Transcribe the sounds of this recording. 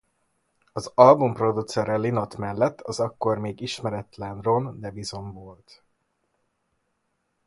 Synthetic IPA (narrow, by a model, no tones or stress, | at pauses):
ɒzɒlbumpro̞d̪ut̪sɛɾɛlino̞t̪mɛlːɛt̪ːɒzɒkːo̞rmeːɡiʃmɛɾɛt̪lɛnrond̪ɛbizo̞ɱvoːlt̪